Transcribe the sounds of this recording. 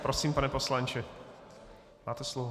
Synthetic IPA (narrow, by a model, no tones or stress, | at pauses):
pɾosiːmpanɛpo̞slant͡ʃɪ | maːt̪ɛslovo